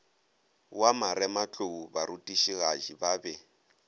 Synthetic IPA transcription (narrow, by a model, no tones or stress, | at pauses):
wamaɾɛmat͡ɬʼoubaɾutʼiʃiɣaʒibaːbɛ